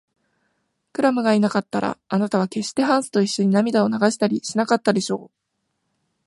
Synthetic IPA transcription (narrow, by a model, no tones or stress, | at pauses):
kɯ̟ɾamɯ̟ɡainakat̪ːaɾʔa̰ːnat̪aβ̞ake̞ɕt̪e̞ɦãɰ̃sɨ̥t̪o̞iɕːo̞ɲ̟inamʲid̪ao̞naɡaɕi̥t̪aɾʲiɕinakat̪ːad̪e̞ɕo̞ː